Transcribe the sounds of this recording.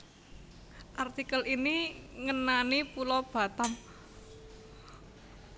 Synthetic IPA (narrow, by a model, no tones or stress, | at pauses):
ʔart̪ikəliniŋənanipulɔb̥a̤t̪am